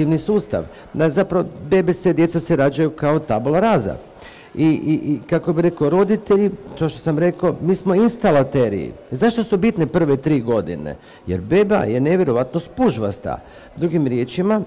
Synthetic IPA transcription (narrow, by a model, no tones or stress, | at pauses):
iʋnisuːst̪a̰ʋ | d̪azapɾaʋobe̞besed̪je̞t̪saseɾad͡ʑajukao̞t̪abolaɾaːza̰ | ikakobiɾe̞koɾo̞d̪it̪eʎit̪oʃt̪osamɾe̞ko̞miːsmo̞inst̪alat̪eɾḭḭzaʃt̪o̞subit̪nepr̩ʋet̪ɾiːɡo̞d̪ḭnḛ | jḛɾbeːba̰je̞ne̞ʋje̞ɾo̞ʋat̪nospuʒʋast̪a̰ | d̪ɾuɡimɾje̞ːt͡ʃima